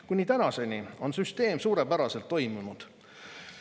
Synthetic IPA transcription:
kunʲːit̪ænɑse̞nʲio̞nsyst̪e̞ːmsuːɾepæɾɑse̞lt̪ːo̞jmunud̪̥

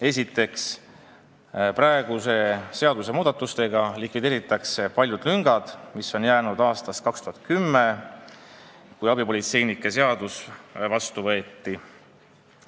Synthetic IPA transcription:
e̞s̬ʲit̪ːe̞ks | pɾɑeɡ̥use̞se̞ɑd̪us̬e̞muːd̪̥ɑt̪ːˑust̪e̞ɡ̥ɑlikˑvid̪̥e̞ːɾit̪ːˑɑkse̞pɑlʲjud̪̥lyŋɡ̥ɑd̪̥miso̞njæːnud̪̥ɑːst̪ɑst̪kɑkst̪uɦɑt̪̚kymːe̞ | kujɑbipo̞lʲit̪se̞jnikːˑes̬e̞ɑd̪̥usvɑst̪uvɤːt̪ːi

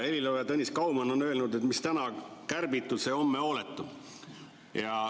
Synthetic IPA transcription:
e̞lilojɑt̪ɤnʲːiskɑwmɑno̞nːø̞ːlnud̪et̪mist̪ænɑkærbit̪ːˑulse̞o̞mːeo̞ːlet̪ːˑu | jɑ

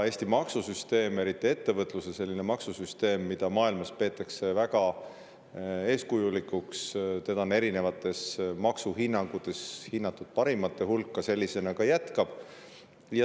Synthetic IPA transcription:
e̞ːsʲt̪imɑksusyst̪e̞ːme̞ɾit̪ːˑie̞t̪ːe̞vɤt̪ːˑlusese̞lʲːine̞mɑksusyst̪e̞ːmːid̪̥ɑmɑːilmɑspe̞ːt̪ːˑɑkse̞væɡ̥ɑ | e̞ːskujulikːukst̪ed̪ɑone̞ɾine̞vɑt̪ːˑe̞smɑksuɦinːɑŋɡ̥ut̪ˑe̞shinːɑt̪ːˑud̪̥̚pɑɾimɑt̪ːˑe̞hulkːɑse̞lʲːise̞nɑkɑjæt̪kɑb̥ | jɑ

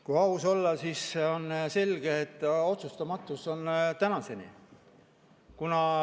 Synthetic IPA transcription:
kujɑuso̞lːɑsisːeonse̞lʲɡ̥eːt̪ːˑo̞t̪sust̪ɑmɑt̪ːˑuso̞nt̪ænɑse̞nḭ | kunɑ

